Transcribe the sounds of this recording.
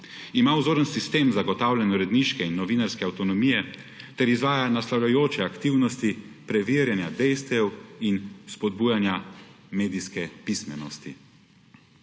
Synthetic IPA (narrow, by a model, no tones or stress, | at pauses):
imawzoːɾənsist̪eːmzaɡɔt̪aːwlʲɛnɔɾɛd̪niʃkɛinːɔʋiːnaɾskɛawt̪ɔnɔmijɛ | t̪ɛɾizʋaːjanaslawlʲajoːt͡ʃɛakt̪iwnɔst̪ipɾɛʋiːɾjanjad̪ɛjst̪ʋɛwinspɔd̪̚buːjanjameːd̪iskɛpismɛnɔst̪i